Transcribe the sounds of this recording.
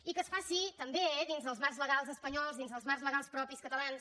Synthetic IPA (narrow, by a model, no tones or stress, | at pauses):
ikəsfasit̪əmbeðinzðəlˠzmarzlˠəɣalˠzəspəɲɔlˠzðinzðəlˠzmarzləɣalˠspɾɔpiskət̪əlans